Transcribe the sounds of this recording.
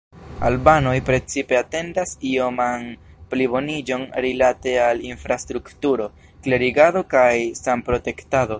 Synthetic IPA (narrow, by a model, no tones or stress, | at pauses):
a̰lbano̞jpɾe̞t͡sipe̞ate̞ndasio̞man | plibo̞nid͡ʒo̞nɾilate̞alinfɾastɾuktuɾo̞ | kle̞ɾiɡado̞kajsampɾo̞te̞ktado̞